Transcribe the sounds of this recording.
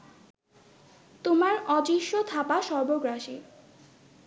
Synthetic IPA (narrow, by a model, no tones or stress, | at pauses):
t̪omaɾɔd͡ʑiʃːot̪ʰapaʃɔɾboɡɾaʃi